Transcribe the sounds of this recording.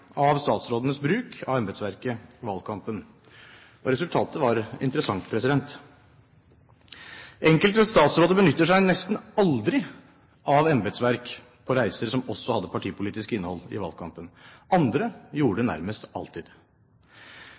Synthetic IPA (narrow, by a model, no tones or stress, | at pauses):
ɑʋst̪ɑːt̪sɾoːd̪ənəsbɾʉːkʰɑ̰ʋɛmbɛt̪sʋæɾkəʋɑlkʰɑmpən | ɔɾɛsʉlt̪ʰɑːt̪əʋɑɾɪ̰nt̪əɾəsɑŋt̪pʰɾɛsɪd̪ɛnt̪ | ɛŋkəlt̪əst̪ɑːt̪sɾoːd̪əbənʏt̪ːəʂæɪnɛst̪n̩ɑld̪ɾɪ | ʔɑʋɛmbɛt̪sʋæɾk | pʰɔɾæɪsəɾsɔmɔsːɔhɑd̪ːəpʰɑʈʰiːpʊliːt̪ɪskəɪnːhɔlɪ̰ʋɑ̰lkʰɑmpənɑnd̪ɾəjuːɖənæ̰ɾməst̪ɑ̰lt̪ʰɪd̪